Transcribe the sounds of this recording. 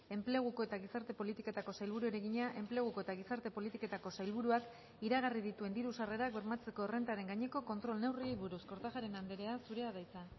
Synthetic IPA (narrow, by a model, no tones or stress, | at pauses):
e̞mple̞ɣ̞uko̞e̞t̪aɣisaɾt̪e̞po̞lit̪ike̞t̪ako̞sajlβuɾueɾe̞ɣiɲaʔe̞mple̞ɣ̞uko̞e̞t̪aɣ̞isaɾt̪e̞po̞lit̪ike̞t̪ako̞sajlβuɾuak | iɾaɣ̞arið̞it̪ue̞nd̪iɾusare̞ɾakβe̞ɾmat͡se̞ko̞ere̞nt̪aɾe̞ŋɡaɲe̞ko̞ko̞nt̪ɾo̞lne̞wriejβuɾusko̞ɾt̪aʝaɾe̞nand̪eɾe̞asuɾe̞aðajt͡sa